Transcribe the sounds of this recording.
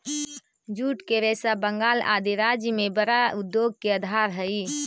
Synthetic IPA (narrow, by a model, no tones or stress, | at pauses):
d͡ʒuːʈkeɾɛsabəŋɡaːla̰ːd̪iɾad͡ʒjəmebəɾaud̪ːjoɡ̚keəd̪ʱaɾɦəi